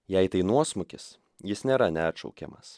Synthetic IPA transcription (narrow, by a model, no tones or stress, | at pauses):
jɛɪt̪ɐɪnuɔsmʊkʲɪs | jɪsnʲeːɾɐnʲæːt̪ʃɒ̰ʊkʲɛ̰mɐs